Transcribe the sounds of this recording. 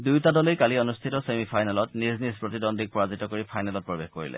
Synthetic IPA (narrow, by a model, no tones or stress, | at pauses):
dujtadɔlejkalionustʰitɔsemipʰajnalɔtniznispɹotidɔndʱik̚pɔɹazitɔkoɹipʰajnalɔt̚pɹɔbexkoɹḭlɛ̰